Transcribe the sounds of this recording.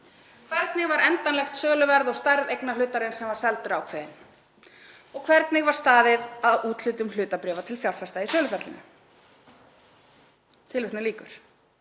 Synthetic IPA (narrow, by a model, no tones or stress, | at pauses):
kʰvɛɾt̪nɪɣvaɾɛnt̪anlɛxt̪sœːlʏvɛɾðɔɣst̪ajɾðejknalʏːt̪aɾɪnsɛmvaɾ̥sɛlt̪ʏɾaːwkʰvɛːðɪn | ɔɣkʰvɛɾt̪nɪɣvaɾ̥st̪aːðɪðaðuːt̪l̥ʏːt̪ʏml̥ʏːt̪apɾɛːvat̪ʰɪlfjawlfɛst̪aisœːlʏfɛɾt̪ɪnʏ̰ | t̪ʰɪlvʏht̪nɪliːkʏɾ̥